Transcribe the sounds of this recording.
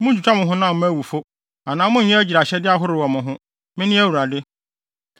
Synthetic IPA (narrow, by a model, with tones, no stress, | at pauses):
mʊ̃˦d͡ʑᶣu˨t͡ɕʰᶣa˦mʊ̃˨ɦʊ̃˦nã˦˨m̩˦æ˦˨wu˨fo˦ | a˨nãː˨˦mʊ̃˦ɲ̩˦ɲɛ̃˦æ˦d͡ʑi˨ɾa˨ɕɛ˦dɪ˦a˦ɦʊ˦ɾɪ˨wɔ˨mʊ̃˨ɦʊ̃˦ | mɪ̃˦nɪ̃˦æ˦wu˨ɾa˨dɪ˦